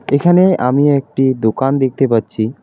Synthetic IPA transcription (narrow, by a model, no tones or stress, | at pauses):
ekʰaneʔamiek̚ʈid̪okand̪ek̚ʰt̪epatːɕʰi